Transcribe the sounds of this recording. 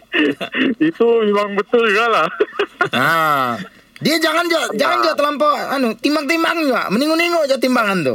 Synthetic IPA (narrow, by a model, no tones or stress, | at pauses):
it̪umimaŋbət̪ʊlɡala | a | diad͡ʒaŋand͡ʒuaʔd͡ʒaŋand͡ʒuaʔt̪əlampɔanut̪imbaŋ̚t̪imbaŋd͡ʒua̰məniŋuniŋud͡ʒat̪imbaŋant̪ʊ̰